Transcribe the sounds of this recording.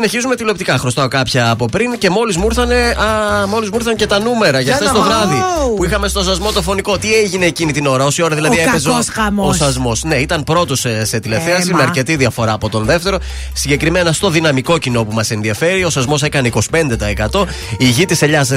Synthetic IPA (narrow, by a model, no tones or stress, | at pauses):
ineçizume̞t̪ilop̚t̪ikɐxɾo̞st̪ɐokɐpçɐːpo̞pɾince̞mo̞lizmuɾθɐne̞ɐmo̞lizmuɾθɐnce̞t̪ɐnume̞ɾɐʝɐft̪esst̪ovɾɐðipuixɐme̞st̪o̞sɐzmo̞t̪ofo̞nikot̪ieʝine̞ːcinit̪ino̞ɾɐo̞sio̞ɾɐðilɐðiepezoosɐzmo̞sne̞it̪ɐnpɾo̞t̪osse̞t̪ile̞fθeɐsimeɐɾce̞t̪iðiɐfo̞ɾɐːpo̞t̪o̞nðeft̪e̞ɾo̞ | siɲɟe̞kɾime̞nɐst̪o̞ðinɐmiko̞cino̞pumɐse̞nðiɐfe̞ɾio̞sɐzmo̞se̞kɐne̞iko̞si̥pe̞nd̪et̪ɐekɐt̪o̞ | iʝit̪iseʎɐs